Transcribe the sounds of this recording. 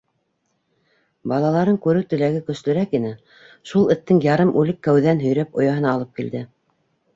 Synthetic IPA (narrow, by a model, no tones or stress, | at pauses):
bɑlˠɑlˠɑɾɤŋkʉɾɘwt̪ɘ̆læɡɘkɵ̆slɵ̆ɾækinɘ | ʃulˠɘ̆t̪ːɘŋjɑɾɤmʔʉlɘkːæwðænɦɵ̆jɾæpŏjɑɦɤ̆nɑːlˠɤp̚kild̪ɘ